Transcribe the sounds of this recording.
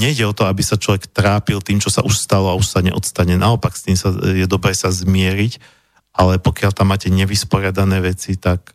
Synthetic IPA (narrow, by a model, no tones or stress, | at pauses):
ɲɛiɟɛɔt̪ɔabisat͡ʃlɔʋɛkt̪ɾaːpilt̪iːmt͡ʃɔsa̰ʔuʃst̪alɔauʃsaɲɛ̰ʔɔt̪st̪aɲɛnaɔpakst̪iːmsajɛd̪ɔbɾɛːsazmɪɛɾic | ʔalɛpɔkɪalt̪amːaːcɛɲɛʋispɔɾɪad̪anɛːʋɛt͡sit̪ak̚